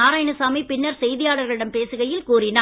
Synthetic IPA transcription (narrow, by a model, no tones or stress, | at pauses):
aːɾaːjɐɳɯsaːmipɪnːɐɾsɛjðɪjaːɽɐɾɣɐɭɪɽɐmpeːsɯɣɐjɪlkuːrɪnaː